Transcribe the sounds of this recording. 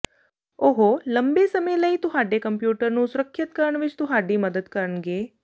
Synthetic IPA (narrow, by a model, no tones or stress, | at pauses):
oɦoləmbesəmələit̪uɦaɖekəmpjuːʈəɾnũːsuɾəkʰːət̪kəɾəɳʋit͡ʃt̪ũɦaɖiːməd̪əd̪kəɾəɳɡeː